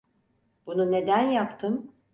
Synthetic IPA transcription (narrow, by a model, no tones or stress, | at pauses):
bunune̞d̪ænjapt̪ʰɯm